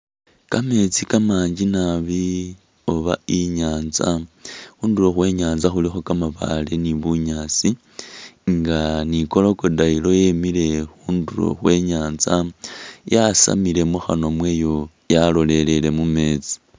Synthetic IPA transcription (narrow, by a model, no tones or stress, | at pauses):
kame̞t͡sikamaːɲd͡ʒinaβi | o̞βa̰iɲaːnzaxuːnduloxwe̞ːɲaːnzaxulixo̞kamaβa̰leniβuɲaːt͡si | ŋɡaniko̞lokodailo̞je̞mile̞xuːnduɾo̰xwe̞ɲaːnzajasa̰mile̞muxa̰no̞mwe̞ːjo̞ | jalo̞le̞le̞le̞mume̞ːt͡si̥